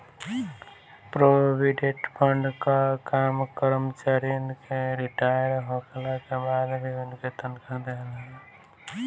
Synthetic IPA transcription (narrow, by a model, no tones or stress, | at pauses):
pɾobʱiɖeʈpʰəɳɖkakamkəɾmət͡ʃaɾiənkeɾiʈajəɾɦokelakebad̪ʱbeunket̪ənkʰad̪elɦɛ